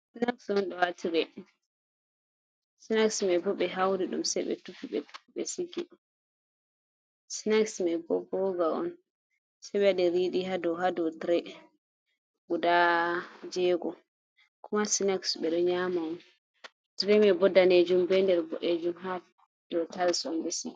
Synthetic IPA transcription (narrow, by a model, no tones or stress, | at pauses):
sinaksɔnɗɔatʰiɾɛ | sinaksmɛbɔɓɛɦawɾiɗṵmsɛɓɛ̰tupːiɓɛ̰tu̥pːiɓɛsiɡi | sinaksmɛbɔ̰bɔɡaɔ̰n | sɛɓɛadɛɾiɗiɦadɔwɦadɔtɾɛ | ɡuda | d͡ʒɛːɡɔ | kʰumasinaksɓɛɗɔɲamaɔn | tɾɛmɛbɔdːaned͡ʒumbɛndɛɾbɔʔed͡ʒumha | d̥ɔtalsɔnbɛsiɡ